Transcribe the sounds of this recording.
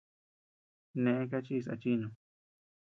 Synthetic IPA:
nẽ˧ʔẽ˦k̬a˦t͡ʃi˦˧s̬a̰˧t͡ʃi˦ɲõ˧

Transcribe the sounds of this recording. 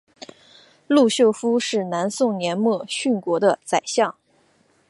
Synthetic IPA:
lu˥˧ɕjo˥˩ʊfu˥ʂɻ̩˥˩na˧˥nsʊ˥˩ŋnjɛ˧˥nmwɔ˥˩ɕy˥˩nkwɔ˧˥d̪ə˧t͡sa˨˩ɪɕjɑ˥˩ŋ

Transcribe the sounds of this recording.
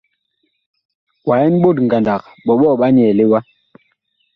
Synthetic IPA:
wa˨ɛ˦n˦ɓo˦˨tŋ̩˨ɡa˨nda˨k̚ | ɓɔ˨ɓɔ˦˨ɓa˦ɲɛ˨li˦wa˦

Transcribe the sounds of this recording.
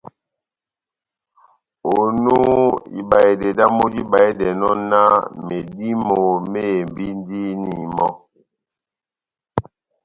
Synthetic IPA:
o˨nu˦ḭ˨ba˨je˨de˨da˦mo˦d͡ʒi˦ba˨e˦dɛ˨nɔ˦na˦me˨di˦mo˨me˦˨mbi˦n˦di˦ni˨mɔ˦

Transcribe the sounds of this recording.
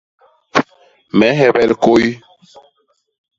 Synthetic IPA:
mɛ˨˦ɦɛ˦bɛ˦˨lko˦ji˦

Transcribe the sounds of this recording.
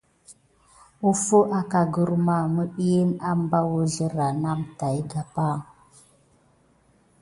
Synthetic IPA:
u˦fo˦ʔa˨ka˨ɡə˦ɾma˦˨mə˦ɓi˦je˦na˦m˦ba˦wə˦ɮə˦ɾa˨na˦mta˨i˦ɡa˨pa˦

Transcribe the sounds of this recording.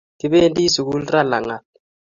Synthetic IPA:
ti˦ɓe˦ndi˦su˨ku˦lra˦la˨ŋa˨t̚

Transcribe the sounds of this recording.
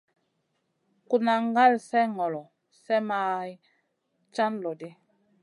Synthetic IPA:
ku˨na˨ŋ˦ɡa˦lsɛ˦ŋɔ˨lɔ˨ | sɛ˦ma˦j | t͡ʃa˦nlɔ˨di˦

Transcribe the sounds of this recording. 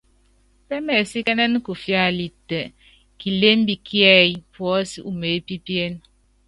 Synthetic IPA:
pɛ˦mɛ˨si˦kɛ˦nɛ˦n˦ku˨fja˦˨li˨tɛ˨ | ki˨le˦m˦bi˨ki˦ɛ˦jpwɔ˦si˦ʔu˨me˨˦pi˦pe˦n

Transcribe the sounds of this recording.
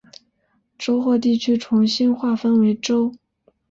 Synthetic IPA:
ʈ͡ʂo˥ʊxwɔ˥˧t̪i˥˩t͡ɕʰy˥ʈ͡ʂʰʊ˧˥ŋɕi˥nxwa˥˩fə˥nwe˧˥ɪʈ͡ʂo˥ʊ

